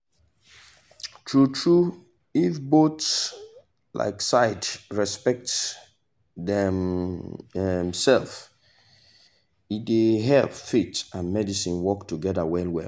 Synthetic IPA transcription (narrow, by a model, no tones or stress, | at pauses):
tʰɹutʰɹu | ifbots | lʔa̰ɪksaɪdɹɛspɛk̚t | dɛm | ɛmsɛlf | itdeɦɛlvfitãnmɛdisĩnwɔktuɡɛdəwɛlwɛ̰